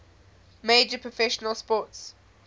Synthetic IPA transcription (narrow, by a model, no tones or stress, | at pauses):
meɪd͡ʒəpʰɹ̥ɔfɛʃənəlˠspɔˑts